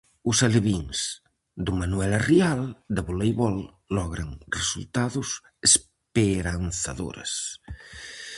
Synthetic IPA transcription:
useleβiŋs | d̪umanuɛlariald̪aβulejβɔlː | ɔɣɾɐŋresṵlt̪aðus | es | peɾanθaðo̰ɾḛs

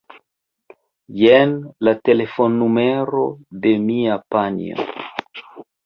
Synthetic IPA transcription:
jenlat̪elefonːumeɾodemiapanj̰o̰

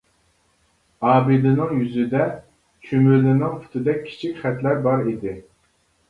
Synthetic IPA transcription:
ɑːbilɪnɪŋjyzɪd̪ɛ | t͡ʃʰømylɪnɪŋpʰu̥t̪ʰɨd̪ɛk̚ʲʰi̥t͡ʃʰikʲχɛt̪læɾbɑɾid̪ɪ

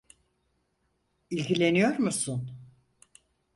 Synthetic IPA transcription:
ilʲɡilʲe̞nijo̞ɾmusun

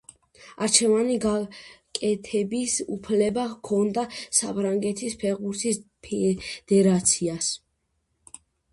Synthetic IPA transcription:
aɾt͡ʃʰɛvaniɡakʼɛt̪ʰɛbisupʰlɛbakʰɔnd̪asapʰɾaŋɡɛt̪ʰispʰɛʁbuɾt̪ʰis | pʰɛd̪̥ɛɾat̪sʰias

